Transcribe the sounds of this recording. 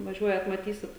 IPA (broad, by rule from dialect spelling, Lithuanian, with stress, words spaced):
ʋɐˈʒʲuɔjɛt mɐˈtʲiːsʲɪt